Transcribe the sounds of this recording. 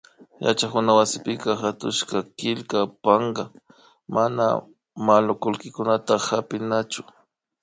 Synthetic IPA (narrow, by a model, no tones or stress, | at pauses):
ja̰t͡ʃakʊnawasɪpɪkaxat̪ʊ̰ʃkakɪlkapaɴɢɑ | mana̰ | malʊkʊlkɪkʊnat̪ahapɪnat͡ʃʊ